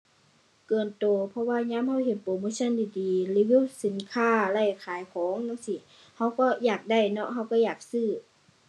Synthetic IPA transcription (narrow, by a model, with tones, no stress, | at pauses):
kɤː˨˩nt̪oː˨˩pʰɔ˧˨waː˧˨ɲaː˧˥˨mha˧˨wɦe˨˧˦npoː˨moː˧˥˨sʰa˧˨ndiː˧˨diː˨li˧˨wiː˧˥˨si˨˦nkʰaː˧˥˨la˧˩jkʰaː˨˦jkʰɔː˨˦ŋnɔ˧˥˨ŋsi˧˩˨ | ha˧˩wkɔ˧˩jaː˨˩k̚da˧˩˨jnɔ˧ʔha˧˩wkɔː˧˩jaː˨˩k̚sɯː˧˩